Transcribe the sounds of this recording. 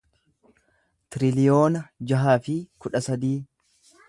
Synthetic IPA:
t̪ɪɾɪlɪjo̞ːnɐd͡ʒɐɦaːfɪkʊᶑɐsɐd̪iː

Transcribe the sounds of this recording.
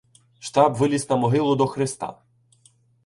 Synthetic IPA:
ʃt̪ɑbʋɪlʲisnɐmɔɦɪlˠʊd̪ɔxɾɪst̪ɑ̰

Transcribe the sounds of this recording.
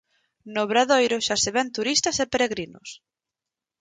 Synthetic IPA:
noβɾaðojɾʊʃaseβɛnt̪uɾist̪ɐsepeɾeɣɾinʊ̰s

